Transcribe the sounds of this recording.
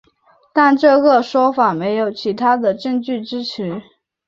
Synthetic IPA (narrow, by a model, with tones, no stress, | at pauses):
t̪a˥˧nʈ͡ʂɤ˥˧ɡə˩ʂwɔ˥fa˨˩me˧˥ɪjo˨˩ʊt͡ɕʰi˧˥t̪ʰa˥d̪ə˨ʈ͡ʂɤ˥˧ŋt͡ɕy˥˩ʈ͡ʂɻ̩˥t͡ɕʰy˧˥